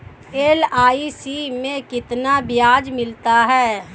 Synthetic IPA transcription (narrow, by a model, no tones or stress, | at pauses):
eːlaːisimẽkɪt̪nabɪjaːd͡ʒmɪlt̪aɦɛː